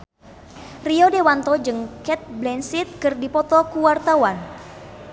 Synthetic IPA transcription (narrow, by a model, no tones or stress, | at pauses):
riodewant̪ɔd͡ʒɨŋkɛt̪̚blɛnsit̪̚kɨrdipɔt̪ɔkuwart̪awan